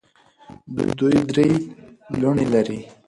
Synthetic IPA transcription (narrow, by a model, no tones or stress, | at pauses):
d̪ṵjd̪ujid̪ɾeluɳilaɾi